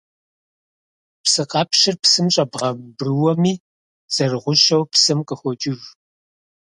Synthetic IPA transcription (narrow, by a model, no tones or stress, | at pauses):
psɨqʼɑːpʃɪrpsɨmɕʼɐbʁɐbrɨwɔmiː | z̥ɐrɨʁʷʊʃɐwpsɨmqʼəxʷɔt͡ʃʼɪʒ